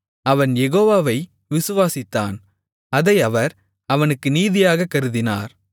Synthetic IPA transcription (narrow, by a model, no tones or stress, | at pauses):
ɐʋɐnjɛɣoːʋaːʋɐɪ | ʋɪsɯʋaːsɪt̪ːa̰ːn | ɐðɐɪɐʋɐɾ | ɐʋɐnɯkːɯniːðɪjaːɣɐkːɐɾɯðɪna̰ːɾ